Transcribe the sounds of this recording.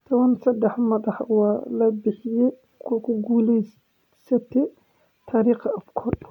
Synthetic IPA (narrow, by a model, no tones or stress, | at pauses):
t̪ʰɐwɐnsɐd̪ːɛħmɐdɑħwɑːlɐbɪħɪjɛ | kʰʊkʰʊɡuːlɛ | sɐt̪ʰɛ | t̪ʰaːɾiːχɐʔɐfkʰɔːrd